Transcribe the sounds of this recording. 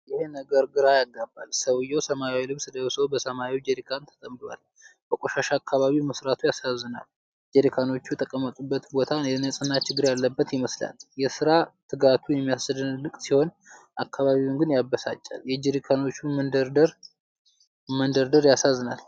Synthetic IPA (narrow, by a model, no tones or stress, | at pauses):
jɪhenəɡəɾɡɨɾajaɡːabːalsəwjɛwsəmawilɨβsɨd̪əwsəwbəsəmaiwd͡ʒeɾikʰant̪ʰə̥t̪ʼəmdwa̰l | b̥əkʼoʃaʃaːkʰːaβaβimɨsɾat̪ʰujasazːɨna̰l | d͡ʒeɾikʰano̞t͡ʃːuɛt̪ʰʼəkʼːəmːət̪ʼubːət̪bo̞t̪ʰaɛnəsʼɨnːat͡ʃɪɡːɨɾjalːəbːət̪jɪməsla̰ljɛsɨɾat̪ʰɨɡat̪ʰujɛmːijassɨd̪ɨnlɨk̪ʼsiho̞n | ʔakʰːaβaβiwunɡɨnjabːəsat͡ʃʼːa̰ljɛd͡ʒeɾikʰano̞t͡ʃːumənd̪əɾd̪əɾ | mənd̪əɾd̪əɾjasazːɨnal